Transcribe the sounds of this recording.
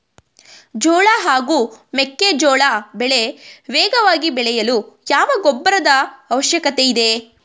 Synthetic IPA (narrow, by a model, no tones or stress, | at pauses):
d͡ʒɔːɭaɦaːɡuːmekːed͡ʒɔːɭabɛɭe̞ʋɛːɡɐʋaːɡibɛɭɛjɐlujaːʋɐɡɔbːɐɾɐd̪ɐːʋɐʃjɐkɐt̪eid̪e̞